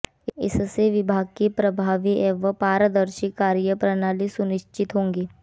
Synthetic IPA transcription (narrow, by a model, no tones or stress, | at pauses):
ɪ̰sseʋɪbʱaːɡ̚kipɾɐbʱaːʋiʔeʋəpaːɾəd̪əɾʃɪkːaːɾjəpɾənaːlisʊnɪʃt͡ʃɪt̪ɦõːŋɡeː